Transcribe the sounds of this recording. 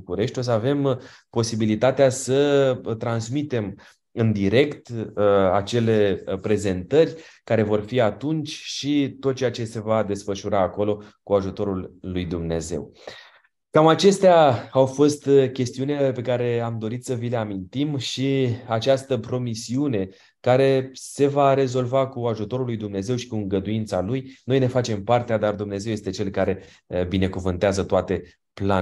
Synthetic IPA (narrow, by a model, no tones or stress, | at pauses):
ukuɾe̞ʃt̪ʲo̞s̬əave̞m | po̞sibilit̪at̪easət̪ɾansmit̪e̞m | ɨnd̪iɾe̞kt̪a̰t͡ʃe̞le̞pɾe̞ze̞nt̪ərʲkaɾe̞vo̞rfiat̪unt͡ʃʲʃit̪ot̪̚ːt͡ʃejat͡ʃe̞se̞vad̪e̞sfəʃuɾaːko̞lo̞kuaʒut̪o̞ɾulːujd̪umne̞̰ze̞̰w | kamat͡ʃe̞st̪eaawfo̞st̪kʲe̞st̪iunʲape̞kaɾe̞amd̪o̞ɾit̪səvile̞amint̪imʃiat͡ʃast̪əpɾo̞misiune̞ | kaɾe̞se̞vaɾe̞zo̞lvakuaʒut̪o̞ɾulːujd̪umne̞ze̞wʃi̥kuɨŋɡəd̪uint̪salujno̞jne̞fat͡ʃe̞mpart̪ead̪ard̪umne̞zewje̞st̪e̞t͡ʃe̞lkaɾe̞ | bine̞kuvɨnt̪eazət̪oat̪e̞ | pla